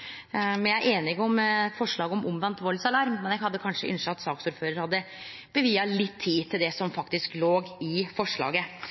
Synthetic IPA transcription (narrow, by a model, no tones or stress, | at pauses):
mɛnjæʔeːnɪɡɔmfɔʂɭɑːɡəɔmʊmʋɑnt̪ʋɔlsɑlɑɾmmɛnjæhɑd̪ːəkʰɑnʂə̰ʔɪ̰nʂəɑt̪sɑːksʊːɾføːɾəɾhɑd̪ːə | b̥əʋiːɑlɪt̪ʰːiːt̪ʰɪld̪ɛsɔmfɑkt̪ɪskloːɡɪfɔʂɭɑ̰ːɡə